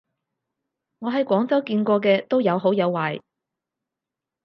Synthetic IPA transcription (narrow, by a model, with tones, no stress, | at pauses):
ŋɔː˨˧ɦɐ˨jkʷwɔː˨˥ŋt͡sɐ˨˥wkiː˧nkʷɔː˧k̬ɛː˧t̪o˥wjɐ˨˧wɦo˨˥wjɐ˨˧wːaː˨˩j